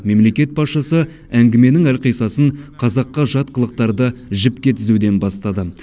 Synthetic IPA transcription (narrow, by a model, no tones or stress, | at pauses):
me̞mle̞kʲe̞t̪̚bɑsʃɑsə | æŋɡʲɪme̞nɪŋælqijsɑsəɴqʰɑzɑqːɑʒɑt̪̚qəlˠəq̚t̪ɑɾd̪əʒɪpkʲe̞t̪ʰɪzud̪e̞nbɑst̪ɑd̪ə